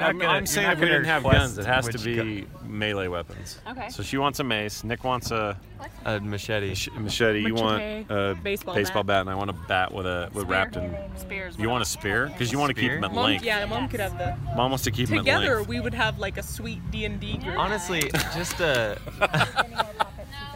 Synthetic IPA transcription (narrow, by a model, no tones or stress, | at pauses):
mãɪ̃mseɪɪ̃ŋɨfwiɾnɨvɡʌ̃nzɨt̚hæztɨbi | meɪleɪwɛpɨ̰̃nz̥osoʊʃiwɑ̃ntsɨmeɪsnɪkwɑ̃ntsə | ʔʌmɨʃɛɾiʃmɨʃɛɾijɨwɑ̃ntəbeɪsbeɪsb̥ɔlˠbæɾɨ̃naɪwɑ̃ñəbæʔwɪ̰ðɨwɪðɹæp̚tɨ̃n | spjɨwɑ̃ñɨspɛɹkʰʌzjɨwɑ̃ntɨkʰimətˡllɪ̃ŋkjæmɑ̃mkɨɾ̚ɨvðɨmɑ̃mwɑnstɨkʰiptmʰɨm̰tˡɡɛɪ̃ðə˞wiwɨd̚əvlaɪkɨswit̚d̥iɨ̃ndiʔɑnɨstˡli̥d͡ʒʌstʌ